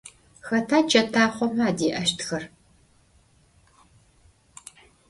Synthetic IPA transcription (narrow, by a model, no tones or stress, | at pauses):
xɐtʰaːt͡ʃʼɐtʰaːχʷɔmaːdiːʔɐʃtʰxɐr